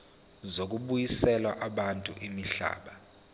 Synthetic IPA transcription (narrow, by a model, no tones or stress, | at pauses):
zok̬ʼuɓujisɛlwaʔaɓantʼṵʔimiɬa̰ːɓa